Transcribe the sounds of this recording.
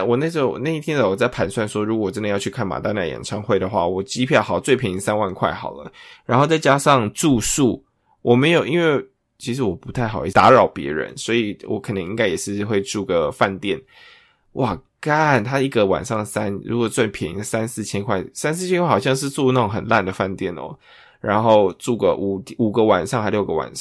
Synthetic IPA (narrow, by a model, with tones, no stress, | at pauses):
wɔ˨˩na˥˩ʈ͡ʂo˥˩wɔ̰˨˩na˥˧i˥t̪ʰjɛ˥nd̪ə˨˩wɔ˨˩t͡sa˥˩ɪpʰa˧˥nswa˥˩nʂwɔ˥ɻu˧ɡɔ˨˩wʈ͡ʂə˦nd̪ə˧jɑ˥˧ʊt͡ɕʰy˥˧kʰa˥˩nma̰˨˩t̪a˥na̰˥˩jɛ̰˨˩nʈ͡ʂʰɑ˥ŋxwe˥˩ɪd̪ə˩xwa̰˥˩wɔ˨˩t͡ɕi˥pʰjɑ˥˩xɑ˨˩ʊt͡swe˥˩ɪpʰi˨˩ŋi˧˥ŋsa˥nwa˥˧nkʰwa˥˩ɪxɑ̰˨˩ʊlə̰˦ɻa˧˥nxo˥˧ʊt͡sa˥˩ɪt͡ɕja˥ʂɑ˥˧ŋʈ͡ʂu˥˧ʂu˥˩ | wɔ˨˩me˧˥ɪjo˨˩ʊi˥nwe˥˩ɪ | t͡ɕʰi˧˥ʂ̬̩˧˥wɔ˨˩pu˧˥t̪ʰa˥˩ɪxɑ˨˩ʊi˥˧˩t̪a˧˥ɻɑ˨˩ʊpjɛ̰˧˥ɻə̰˧˦nswɔ˧˥i˨˩wɔ̰˨˩kʰə˨˩nə˧˦ŋi˧˥ŋka˥ɪjɛ˨˩ʂɻ̩˥˧xwe˥˧ɪʈ͡ʂu˥˩ɡə˩fa˥˧nt̪jɛ˥˩n | wʔa˥˩ka˥˧nt̪ʰa˥i˥˩ɡə˨wa̰˨˩nʂɑ˥˩ŋsa˦˥nɻu˧˥kwɔ˨˩t͡swa˥˩npʰjɛ˨˩ḭ˧˥sa˦nsɹ̩˥˩t͡ɕʰjɛ˥nkʰwa˥˩ɪsa˥ns̬ɨ˥˩t͡ɕʰjnkʰwa˥˩ɑ˨˩ɕjɑ˥˧ŋʂ̬ɻ̩˥˧t͡su˥˧na˥˩o˨ŋxə˨˩nla˥˩nd̪ə˩fa˥˧nt̪jɛ˥˩nɔ̰˦ | ɻa˧˥nxo˥˧ʊʈ͡ʂu˥˩ɡə̰˩ʔu˨˩u˨˩ɡə˦wa˨˩nʂɑ˥˧ŋha˧˥ɪljo˥˩ʊɡə˨wa̰˨˩n˥˧